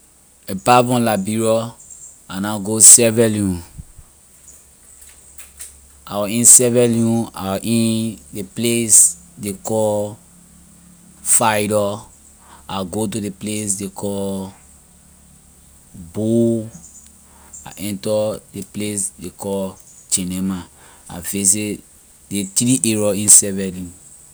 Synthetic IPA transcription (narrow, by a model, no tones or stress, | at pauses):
epavɔ̃labiɹɔ | anaɡosɛvɛljũ | a̰wɔĩnsɛvɛljũa̰wɔʔĩndeplesdekɔ | fajɾɔ | aɡot̬udeples̬dekɔ | bu | a̰ʔɛ̃ntɔdeplesdekɔt͡ʃinɛmaa̰fes̬e | detɾiʔeɹɔĩnsɛvɛlũ